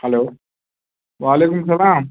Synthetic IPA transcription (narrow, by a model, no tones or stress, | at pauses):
hɐloː | ʋaːleːkumsɐlaːm